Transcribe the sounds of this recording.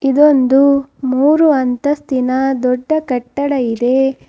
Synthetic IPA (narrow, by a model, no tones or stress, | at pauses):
id̪o̞nd̪umuːɾuɐnt̪ɐst̪inɐd̪ɔɖːɐkɐʈːɐɽɐid̪e̞